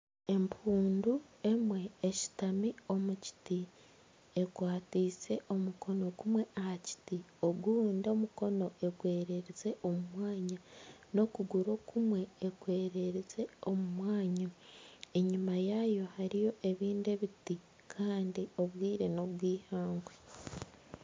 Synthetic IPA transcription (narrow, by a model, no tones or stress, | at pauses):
e̞mpʰuːndue̞mwe̞ːʃi̥tamio̞muci̥ti | e̞kwaːtiːse̞ʔo̞muko̞no̞kumwe̞ʔahaci̥tio̞ɡundomuko̞no̞ʔe̞ɡwe̞ːɾe̞ɾeze̞ʔo̞mumwaːɲano̞kuɡuɾo̞kumwe̞ːɡwe̞ːɾe̞ɾeze̞o̞mumwaːɲae̞ɲimajajo̞haɾijo̞ʔe̞βiːnde̞βiti | kʰaːndio̞βwiːɾe̞no̞βwiːhaːŋɡwe